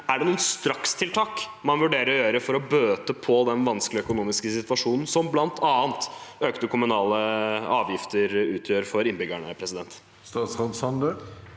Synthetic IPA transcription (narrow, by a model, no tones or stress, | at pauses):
æɖɛnuːnst̪ɾɑkst̪ʰɪlt̪ʰɑːkmɑnʋʉɖeːɾəɾɔjøːɾəfɔɾɔbøːt̪əpʰɔd̪ɛnʋɑnsklɪœkʊnuːmɪskəsɪt̪ʋɑʂuːnn̩sɔmblɑnt̪ʰɑːənt̪øːkt̪əkʰʊmʉnɑːləɑːʋjɪft̪əɾʉːt̪ʰjøːɾfɔɾɪnbʏɡæɳə̰pʰɾɛsɪd̪ɛnt̪ | st̪ɑːt̪sʁɑd̪shɑnd̪əl